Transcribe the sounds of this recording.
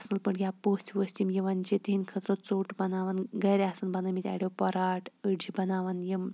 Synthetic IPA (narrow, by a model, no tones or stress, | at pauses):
sɨlpəɳjapoːstʰʋəsʲtʲimjiʋant͡ɕit̪ɦinkʰət̪ɾot͡soːʈbɐnaːʋanɡɐɾeasɨnbɐnɐmit̪ʲɛ̰ɽewpɔɾaːʈəɖd͡ʑibɐnaːʋanjim